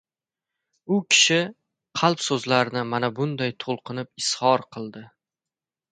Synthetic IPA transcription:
ʊkʲʰɪ̥ʃɪ | qʰɑlˠpsɵzlaɾɪnɪmanabʊnd̪ajt̪ʰolˠqʰɨnɪp̚ɪshɒɾqʰɨlˠd̪ɪ

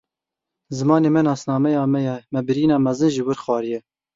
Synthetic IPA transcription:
zɨmɑːneːmɛnɑːsnɑːmɛjɑːmɛjɛmɛbɨɾiːnɑːmɛzɨnʒiwɨɾxwɑːɾijɛ

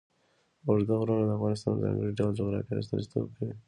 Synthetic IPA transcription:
ʊɾd̪aɣɾɑnod̪əafɣɑnɪs̬t̪ɑnzɑ̰̃ŋɡəɽiɖawld͡ʒʊɣɾɑ̰kaɾɪ̰st̪ə̰st̪o̰kawi

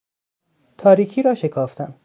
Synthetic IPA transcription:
t̪ʰɒːɾiːkʰiːɾɒːʃe̞kʰɒːft̪ʰæm

